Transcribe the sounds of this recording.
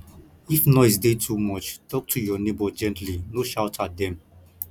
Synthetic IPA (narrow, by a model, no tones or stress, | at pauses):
ifnɔɪs̬detʰumɔt͡ʃtɔk̚tʰujɔnebod͡ʒɛ̃ntlinoʃawtʰat̚dɛ̃m